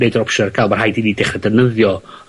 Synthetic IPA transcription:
nedəɔpʃɔnarkʰajlˠmarɦajdiːnidɪχədənəðjɔ

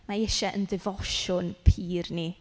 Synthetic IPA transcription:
maɪʃɛʔəndɛvɔʃʊnpʰiːrni

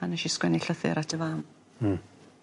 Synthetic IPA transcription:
anəʃiskwɛniɬəθɪ̰ɾatʰəvaːm̩

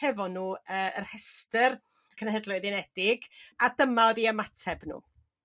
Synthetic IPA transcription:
ɛvɔnuːəːərhɛstər | kʰənhɛdlˠʊɨðɪnɛdɪɡadəmaðiəmatʰɛb̥nṵː

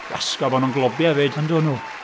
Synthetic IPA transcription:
ɡaskabɔnɔnɡlˠɔbjaveːdandɔnuː

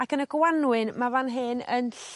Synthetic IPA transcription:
akənəɡwanwɨnmavanɦɨːnənɬ

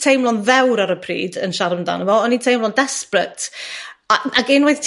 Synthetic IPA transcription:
tʰejmlˠɔnðɛwɾaɾəpʰrḭːdə̰nʃaɾəmənda̰nəvɔɔnːitʰejmlˠɔndɛsprətʰaaɡɪnweɨð̥tʰ

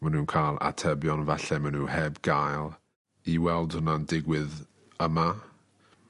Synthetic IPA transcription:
manuːnkʰalˠa̰tʰɛbjɔnvaɬɛmanuːnhɛbɡ̥ajlˠ | iwɛlˠd̥hʊnandɪɡwɪð | əma

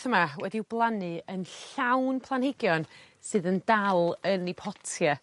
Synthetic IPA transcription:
θəmawɛdiwblˠanɨənɬawnpʰlˠanhɪɡjɔn | sɨːðəndalˠənipʰɔtʰjɛ

